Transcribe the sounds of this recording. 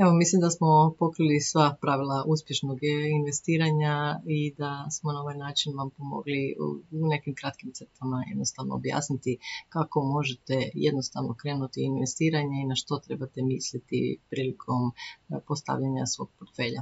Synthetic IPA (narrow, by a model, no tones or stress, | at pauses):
eʋo̞mislimd̪asmo̞po̞kɾilisʋapɾaʋilˠaʔuspʲje̞ʃnoɡinʋe̞st̪iːɾaɲaid̪asmonao̞ʋajnaːt͡ʃinʋampo̞mo̞̰ɡlḭune̞kimkɾat̪kimt̪set̪amaje̞d̪nost̪aʋno̰ːbja̰ːsnit̪ikako̞mo̞ʒet̪ejed̪nost̪aʋnokɾeːnut̪iːnʋest̪iːɾaɲainaʃt̪o̞t̪ɾe̞bat̪emislit̪ḭpɾiːlikʰo̞mpo̞st̪a̰ʋʎaɲasʋo̞̰ɡ̚poɾt̪fe̞ːʎa̰